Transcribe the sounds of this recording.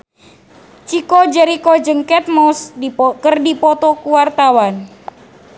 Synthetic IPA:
t͡ʃikod͡ʒɛɾikod͡ʒəŋkɛt̪̚mɔskərdipɔt̪ɔkuwart̪awan

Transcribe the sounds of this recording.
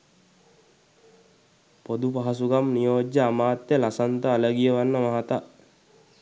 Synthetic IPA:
pod̪upaɦasuɡamnijoːd͡ʒːəamaːt̪jəlasant̪əːləɡijəʋanːəmaɦat̪a

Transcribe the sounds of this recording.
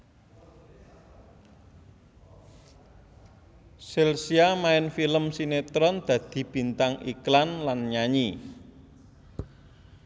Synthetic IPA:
selsiamaɪnfiləmsinet̪ɾɔnd̪̥ä̤d̪̥i̤b̥i̤nt̪aŋḭklanlanɲaɲi

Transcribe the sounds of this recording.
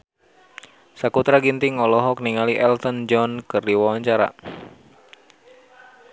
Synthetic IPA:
sakut̪ɾaɡint̪iŋɔlɔɦɔkniŋaliʔɛlt̪ɔnd͡ʒɔnkɨrdiwawaɲt͡ʃaɾa̰

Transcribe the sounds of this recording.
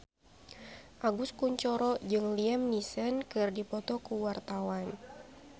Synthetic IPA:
ʔaɡuskuɲt͡ʃɔɾɔd͡ʒɨŋliɛmnisənkɨrdipɔt̪ɔkuwart̪awan

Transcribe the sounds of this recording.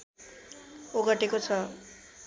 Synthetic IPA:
oɡʌʈekot͡sʰʌ

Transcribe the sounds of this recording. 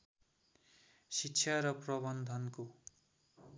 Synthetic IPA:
sikːt͡ʃʰjaɾʌprʌbʌnd̪ʱʌnko

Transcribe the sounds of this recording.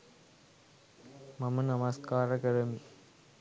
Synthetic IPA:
mɐmɐnɐmɐskaːɾɐkɐɾɐmi

